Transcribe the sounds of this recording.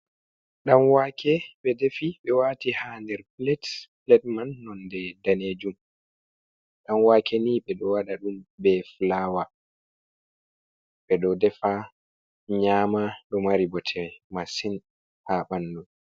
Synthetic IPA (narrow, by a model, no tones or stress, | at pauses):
ɗanwaːkʰɛɓɛdefiɓɛwaːtihaːndɛɾplɛtplɛt̚manːɔndɛdaneːd͡ʒum | ɗanwaːkʰɛniɓɛɗɔwaɗaɗumbɛflaːwa | ɓɛɗɔdɛfa | ɲaːmaɗɔmaɾibɔtʰɛmasin | haɓandun